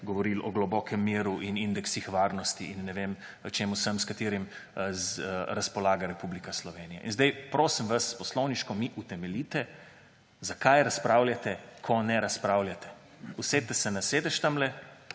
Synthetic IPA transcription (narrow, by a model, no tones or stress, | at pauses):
ɡɔʋɔɾilɔɡlɔbɔkʰɛmːiːɾuʔinind̪ɛksixʋaːɾnɔst̪iinːɛʋeːm | t͡ʃeːmusəmskat̪eːɾimzɾaspɔlaːɡaɾɛpublikaslɔʋeːnija̰ʔinzd̪ajpɾoːsimʋaspɔslɔwniʃkɔmiʔut̪ɛmɛlit̪ɛ | zakajɾaspɾawlʲjat̪ɛkʰɔnɛɾaspɾaːwljat̪ɛ̥ | uset̪ːɛsɛnaseːd̪ɛʃt̪amlɛ